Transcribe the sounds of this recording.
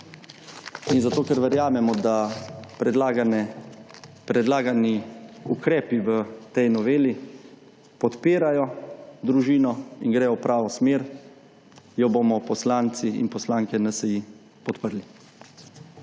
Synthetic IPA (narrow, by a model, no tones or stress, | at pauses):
inzat̪oːkɛɾʋɛɾjaːmɛmɔd̪aɾɛd̪laɡnɛ | pɾɛd̪laːɡaniukɾɛːpiʋət̪ɛjnɔʋeːli | pɔt̪peːɾajɔd̪ɾuʒiːnɔinɡɾɛjɔwpɾʔaːʋɔsmeːɾ | jɔbomɔpɔslaːnt̪siḭnpɔslaːŋkɛnasɛji | pɔt̪pəɾli